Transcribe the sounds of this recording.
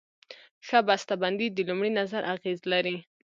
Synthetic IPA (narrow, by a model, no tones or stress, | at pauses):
ʃabast̪aband̪id̪əlumɽinazaɾʔaɣezlaɾi